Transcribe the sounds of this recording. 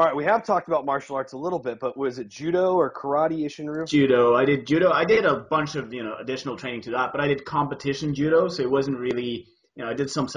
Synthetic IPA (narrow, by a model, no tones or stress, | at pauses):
ɹaɪt̚wiɨv̥tʰɔk̚təbaʊt̚mɑɹʃl̩ˠɑɹtsəlɪɾl̩ˠbɪt̚b̥ʌʔ̚wʌzɨt̚d̥ʒ̥ʉɾoʊə˞kʰə˞ɑɾieɪʃɨ̃nɹʉd͡ʒʉɾoʊaɪdɨd̚d͡ʒʉɾoʊaɪdɪɾəbʌ̃nt͡ʃʌvjɨñoʊɨdɪʃn̩l̩ˠʰɹ̥ẽɪ̃ɪ̃ŋtʰɨðæt̚b̥ʌɾaɪɾɨd̚kʰɑ̃mpɨtʰɪʃɨ̃n̩d͡ʒʉɾoʊsoʊɨt̚wʌzn̩t̚ɹɪlˠi | jɨnoʊaɪdɨd̥sʌ̃ms